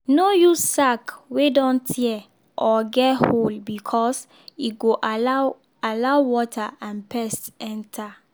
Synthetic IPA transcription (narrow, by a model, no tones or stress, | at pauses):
nojusakwedɔ̃ntʰiɛ | ʔɔɡɛtholbikʰɔs | iɡoʔ | alaʊwɔtʰaãnpʰɛstɛ̃ntʰa